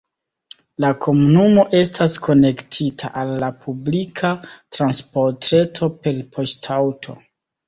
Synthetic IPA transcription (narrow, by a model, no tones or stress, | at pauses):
lakʰo̞munumo̞ʔe̞staskʰo̞ne̞ktʰitʰa̰ʔalːapʰublikʰatɾanspo̞ɾtɾe̞tʰo̞pe̞lpʰo̞ʃtʰawtʰo̞̰